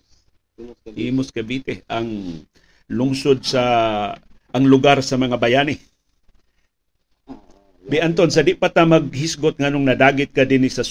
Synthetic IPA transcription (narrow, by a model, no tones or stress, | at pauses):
ʔimʊskɐbit̪ɪʔaŋ | lʊŋsod̪̚sa | ʔːŋlʊɡaɾsɐmɐŋabajanɪ | bɪʔant̪onsad̪ɪʔpat̪amɐɡ̚hɪsɡot̪̚ŋanoŋnɐd̪aːɡɪt̪̚kad̪ɪnɪsɐs